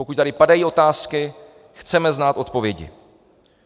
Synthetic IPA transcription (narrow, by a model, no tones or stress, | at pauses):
okuc̚t̪aɾɪpadajiːo̞t̪aːskɪ | xt͡sɛmɛznaːt̪ʔo̞t̪po̞vjɛɟɪ̰